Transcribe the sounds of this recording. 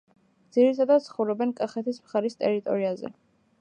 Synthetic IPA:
d̪z̥iɾit̪ʰad̪at̪sʰχɔvɾɔbɛnkʼaχɛt̪ʰismχaɾist̪ʼɛɾit̪ʼɔ̰ɾiazɛ̰

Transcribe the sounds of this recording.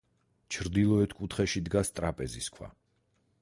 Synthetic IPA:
t͡ʃʰɾd̪ilˠɔɛt̪ʰkʼut̪ʰχɛʃid̪ɡast̪ʼɾapʼɛziskʰwa̰

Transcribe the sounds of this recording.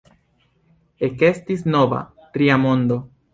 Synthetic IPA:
eke̞stisno̞va̰ | tɾiamo̞nd̪o̞

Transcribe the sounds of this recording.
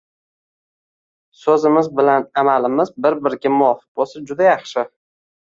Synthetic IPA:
sɵzɪmɪzbɪlanamalɪmɪzbɪɾbɪɾɡʲamʊɒfɪ̥q̚bosad͡ʒʊd̪ajɑχʃɪ

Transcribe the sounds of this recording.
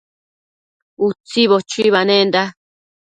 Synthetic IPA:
ut͡siβot͡ʃiβanẽnd̪a

